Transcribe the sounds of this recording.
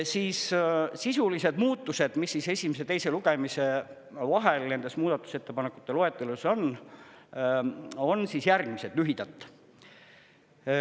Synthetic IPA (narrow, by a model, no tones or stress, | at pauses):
siːssisulise̞d̪muːt̪ˑːuse̞d̪̥misːise̞sʲimes̬e̞t̪e̞jse̞luɡ̥e̞mise̞ | vɑɦe̞lne̞nd̪e̞smuːd̪̥ɑt̪ːˑu̥se̞t̪ːepɑnekːˑu̥t̪ːˑe̞loet̪ːˑeluso̞n | o̞nːsisjærɡ̥mise̞d̪lyɦid̪̥ɑt̪ːˑ